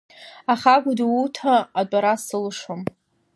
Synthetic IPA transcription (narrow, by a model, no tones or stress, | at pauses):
aχaɡʷʊdutʰaːdʷʼaɾasɨlʂom